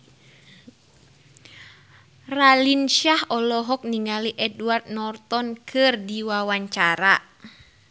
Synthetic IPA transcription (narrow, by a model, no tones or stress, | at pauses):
ralinʃahɔlɔɦɔk̚niŋaliʔɛduard̪̚nɔrt̪ɔnkʰɨrdiwawaɲt͡ʃaɾa